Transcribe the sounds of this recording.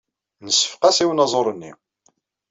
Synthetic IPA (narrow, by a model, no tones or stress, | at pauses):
nəsːə̥fqɑsiwnɑzˤoɾˤənːḭ